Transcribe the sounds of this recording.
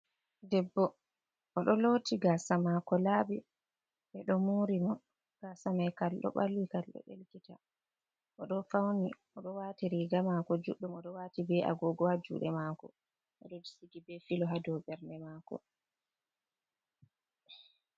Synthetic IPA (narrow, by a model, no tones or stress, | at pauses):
dɛbːɔ | ʔɔɗɔlotiɡasamakɔlabi | ɓɛɗɔmuɾimɔ | ɡ̥asamajkalɗɔ̰ɓa̰lwikalɗɔ̰ʔḛlkita | ʔɔɗɔfawni | ɔɗɔwaːtiɾiɡamakɔd͡ʒuɗːumɔɗɔwaːtibɛʔa̰ɡɔɡɔad͡ʒṵɗɛmaːkɔ̰ | ʔɔɗɔdisiɡibɛfilɔɦadɔbɛɾnɛmaːkɔ̰